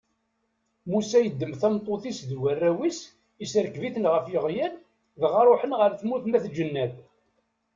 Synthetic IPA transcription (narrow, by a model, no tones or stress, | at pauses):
musæjəd̪ːəmθæmt̪ˤːoθisðwærːæwis | isɾəkviθənʁəfjəʁjæn | vʁɑɾˤoħənʁəɾθmuθmæθd͡ʒənːæð